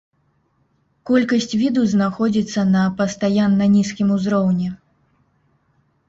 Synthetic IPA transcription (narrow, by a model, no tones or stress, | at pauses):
kɔlʲkɐsʲt͡sʲvʲid̪uznaxɔd͡zʲit̪sːɐnɐpɐst̪ajanːɐnʲiskʲimuzɾɔwnʲɛ